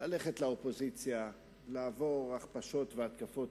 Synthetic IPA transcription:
laleχetlaopo̞zit͡sja | laːvo̞ʁaχpaʃo̞t̪veat̪kafo̞t

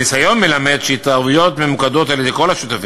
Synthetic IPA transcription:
nisajo̞nme̞lame̞d̪ʃeit̪aujo̞t̪me̞mukad̪o̞taled̪eko̞laʃut̪afi

